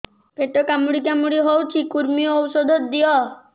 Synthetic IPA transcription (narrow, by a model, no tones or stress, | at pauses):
peʈɔkamuɽikamuɽiɦowt͡ʃʰikuɾmiɔɔwsɔd̪ʱɔt̪d̪ijɔ